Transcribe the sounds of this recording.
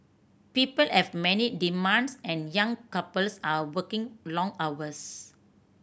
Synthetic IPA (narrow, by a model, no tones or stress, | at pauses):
pipəlhɛvmɛnidimãnsɛ̃njãŋkapəlsawəkɪ̃ŋlɔ̃ŋawəs